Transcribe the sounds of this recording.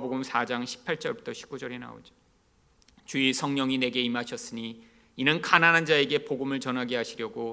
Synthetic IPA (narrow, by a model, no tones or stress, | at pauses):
boɡumsʰad͡ʑaŋɕʰi̥pʰaɭt͡ɕ͈ʌɭbutʰʌɕʰi̥p̚k͈ud͡ʑʌɾe̞na̰o̰d͡ʑ | t͡ɕuisʰʌŋɲʌŋine̞ɡe̞imaɕʰʌs͈ɯɲi | inɯnkananɦand͡ʑae̞ɡe̞poɡɯmɯɭt͡ɕʌnɦaɡeɦaɕʰiɾjʌɡo